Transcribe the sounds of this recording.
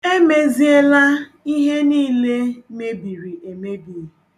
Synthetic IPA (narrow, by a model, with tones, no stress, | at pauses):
e˦me˨zi˦e˦la˦i˦ɦe˦niː˦le˦me˦bi˨ɾi˨ʔe˨me˦bi˨